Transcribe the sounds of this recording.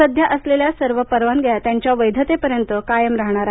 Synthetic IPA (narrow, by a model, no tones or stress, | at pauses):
əd̪ʱjaʔəsleljasəɾʋəpəɾʋanɡjat̪jaɲt͡ɕjaʋəjd̪ʱət̪epəɾjənt̪əkajəmɾaɦɳ̃aɾaɦ